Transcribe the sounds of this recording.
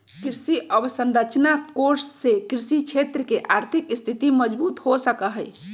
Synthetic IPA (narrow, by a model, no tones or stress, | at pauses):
kɾisiʔəbsənɾət͡ʃnakoɾsːekɾisit͡ʃʰet̪ɾəkeʔaɾt̪ʰikist̪ʰit̪iməd͡ʒbut̪ɦosəkəɦəj